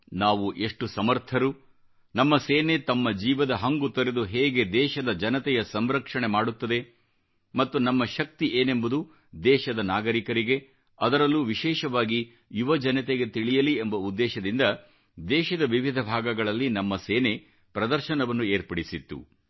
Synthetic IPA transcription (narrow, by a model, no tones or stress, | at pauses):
naːʋuʔe̞ʂʈusɐmɐɾt̪ʰɐɾu | nɐmːɐseːnet̪ɐmːɐd͡ʒiːʋɐd̪ɐɦɐŋɡut̪ɐɾe̞d̪uɦeːɡe̞d̪ɛːʃɐd̪ɐd͡ʒɐnɐt̪ɛjɐsɐmɾɐkʂɐɳemaːɽut̪ːɐd̪e̞ | mɐt̪ːunɐmːɐʃɐk̚t̪iʔeːne̞mbud̪u | d̪ɛːʃɐd̪ɐnaːɡɐɾikɐɾiɡe̞ | ɐd̪ɐɾɐlːuʋiʃɛːʃɐʋaːɡi | juʋɐd͡ʒɐnɐt̪eɡe̞t̪iɭijɐliembɐud̪ːɛːʃɐd̪ind̪ɐ | d̪ɛːʃɐd̪ɐʋiʋid̪ʱɐbʱaːɡɐɡɐɭɐlːinɐmːɐseːne̞ | pɾɐd̪ɐɾʃɐnɐʋɐnːueːɾpɐɽisit̪ːṵ